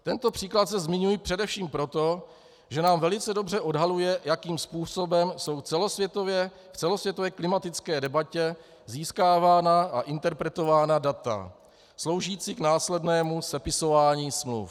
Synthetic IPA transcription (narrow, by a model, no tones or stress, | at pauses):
t̪ɛnt̪o̞pr̥iːklat̪sɛzmɪɲujipr̝̥ɛdɛfʃiːmpɾo̞t̪o̞ | ʒɛnaːmvɛlɪt͡sɛdo̞br̝ɛʔo̞dɦalujɛjakiːmspuːso̞bɛmso̞wt͡sɛlosvjɛt̪ovjɛ | ft͡sɛlo̞svjɛt̪ovɛːklɪmat̪ɪt͡skɛːdɛbacɛ | ziːskaːvaːnaaʔɪnt̪ɛɾpɾɛt̪o̞vaːnadat̪a̰ | slo̞wʒiːt͡siknaːslɛdnɛːmusɛpɪso̞vaːɲiːsmlṵf